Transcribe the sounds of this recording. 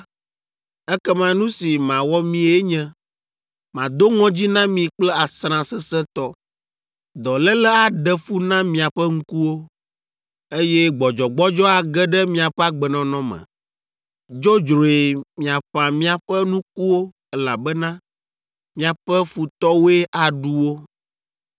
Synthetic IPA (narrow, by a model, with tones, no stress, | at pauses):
ɛ˦kɛ˦mã˦nũ˦si˨mã˨wɔ˦mĩ˦e˦ɲɛ̃˦ | mã˨d̪o˦ŋɔ̃˦d͡ʑi˦nã˦mĩ˨k͡plɛ˦a˨sɾã˨sɛ˦sɛ˦t̪ɔ˦ | d̪ɔ˨lɛ˦lɛ˦a˨ɖɛ˨fu˦nã˦mĩ˨a˨ɸɛ˦ŋ̩˦ku˦wo˦ | e˦jɛ˦ɡ͡bɔ˨d͡ʒɔ˨ɡ͡bɔ˦d͡ʒɔ˦a˨ɡɛ˦ɖɛ˦mĩ˦a˨ɸɛ˦a˨ɡ͡bɛ˨nɔ̃˨nɔ̃˦mɛ̰̃˨ | d͡ʒo˦d͡ʒɾo˨e˨mĩ˨a˨ɸã˨mĩ˦a˨ɸɛ˦nũ˦k̚u˦wo˦ | ɛ˦la˨bɛ˦nã˦ | mĩ˦a˨ɸɛ˦fu˨t̪ɔ˦we˦ʔa˨ɖu˦wo˦